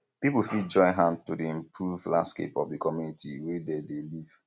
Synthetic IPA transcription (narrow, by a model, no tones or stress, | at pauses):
pipufid͡ʒɔ̃ɪ̃nɦãntudiĩmpʰɹuvlãndskḛpɔvdikɔmjunitʰiwededeliv̥